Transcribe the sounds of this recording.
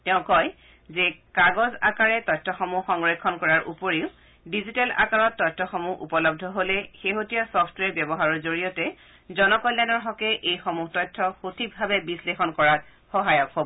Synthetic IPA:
tɛʊ̃kɔj | zekaɡɔza̰kaɹɛtɔjtʰːɔxɔmuxɔŋɹekʰːɔnkɔɹaɹʔupoɹiʊ | dizitala̰kaɹɔtːɔjtʰːɔxomuʔṵpɔlɔb̚dʱɔɦolɛxeɦotijasɔpʰtwɛɹbjɔbɔɦaɹɔɹzoɹijɔtɛ | zɔnɔkɔjlːajnɔɹɦɔkɛʔejxomuxtɔjtʰːɔxotʰib̚bʱabɛbislexɔnkɔɹat̚ | xɔɦajɔkɦobɔ

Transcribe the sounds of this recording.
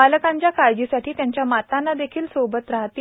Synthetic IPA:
aləkãɲt͡ɕjakaɾd͡ʑisaʈʰiːt̪jaɲt͡ɕjamat̪anːad̪ekʰiːlsobət̪ɾaɦt̪iː

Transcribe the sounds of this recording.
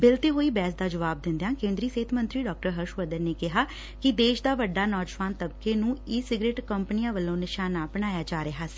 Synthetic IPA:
bɪlt̪eːɦoːiːbɛːs̬d̪aːd͡ʒəʋaːb̚d̪ɪ̃nd̪jãːkẽːnd̪ɾiːseːt̪ʰmənt̪ɾiːɖɔːk̚ʈəɾɦəɾʃʋəd̪əɾneːkɪɦaː | kɪd̪eːʃd̪aːʋəɖːaːnɔːd͡ʒʋaːnt̪əbkeːnũːiːsɪɡɾeːʈkəmpənijãːʋəlːõːnɪʃaːnaːpənaːjaːd͡ʒaːɾeɦaːsː

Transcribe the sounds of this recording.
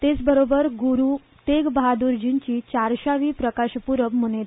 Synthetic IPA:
t̪et͡sbəɾobəɾɡuɾu | t̪eɡbəɦad̪uɾd͡ʑint͡ɕiːt͡ɕaɾɕaʋiːpɾəkaɕpuɾəʋmunet̪

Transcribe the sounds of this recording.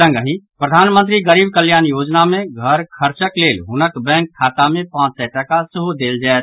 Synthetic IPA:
ə̃ŋɡəɦĩpɾəd̪ʱaːnmə̃nt̪̬ɾiɡəɾiːbkəljaːnjoːd͡ʒnamẽɡʱəɾkʰəɾt͡ʃəkleːlɦʊnəkbɛ̃ːŋkʰːaːt̪amẽpãːt͡ʃsɛʈəkasəɦod̪eːld͡ʒaɛt̪

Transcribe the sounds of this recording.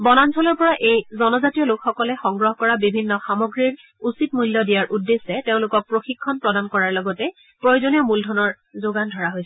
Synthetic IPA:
bɔnansʰɔlɔɹpɔɹaʔejzɔnɔzatijɔlokxɔkɔlɛxɔŋɡɹɔɦkɔɹabibʱinːɔxamoɡɹiɹ | usitmujljɔdijaɹʔudːesɛteʊ̃lʊkɔk̚pɹoxikʰːɔnpɹɔdankɔɹaɹlɔɡɔtɛ | pɹojozonijɔmuldʱɔnɔɹ | zoɡandʱɔɹaɦojsɛ

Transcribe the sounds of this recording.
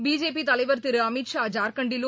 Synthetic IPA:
biːd͡ʒeːpit̪ɐlɐɪʋɐɾt̪ɪɾɯɐmɪʈʂaːd͡ʒaːɾkɐɳɖɪlu

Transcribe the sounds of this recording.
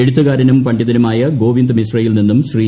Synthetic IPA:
eɽut̪ːɐɣaːɾɐnumpɐɳɖɐðɐnɐmaːjɐɡo̞ːʋind̪misrɐjilninːumɕriː

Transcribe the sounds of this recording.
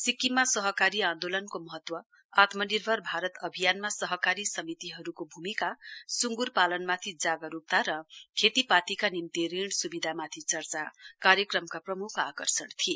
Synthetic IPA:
sikːimasʌɦʌkaɾiãnd̪olʌnkomʌɦʌt̪wʌ | at̪mʌnirbʱʌrbʱaɾʌt̪ʌbʱijanmasʌɦʌkaɾisʌmit̪iɦʌɾukobʱumikasuŋɡurpalʌnmat̪ʰid͡zaɡʌɾup̚t̪aɾʌkʰet̪ipat̪ikanimt̪eɾiɳ̃subid̪ʱamat̪ʰit͡sʌrt͡sakaɾjʌkrʌmkaprʌmukʰakʌrsʌɳt̪ʰije

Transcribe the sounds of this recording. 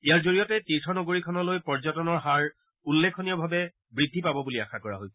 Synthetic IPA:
ijaɹzoɹijɔtɛtiɹtʰɔnɔɡoɹikʰɔnɔlojpɔɹzɔtɔnɔɹɦaɹ | ulːekʰːoniɔbʱabɛ | bɹidʱːipabɔbuliaxakɔɹa̰ɦoj

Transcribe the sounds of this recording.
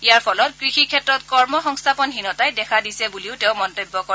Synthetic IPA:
ijaɹpʰɔlɔtkɹixikʰɛtɹɔtkɔɹmɔxɔŋstʰapɔnɦinɔtajdɛkʰadisɛbuliʊtɛʊmɔntobːɔkɔ

